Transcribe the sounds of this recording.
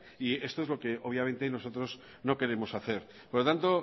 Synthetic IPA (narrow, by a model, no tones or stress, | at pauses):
ie̞st̪oe̞zlo̞ke̞o̞β̞jament̪eaino̞so̞t̪ɾo̞z | no̞ke̞ɾe̞mo̞saθe̞ɾ | poɾlot̪ant̪o̞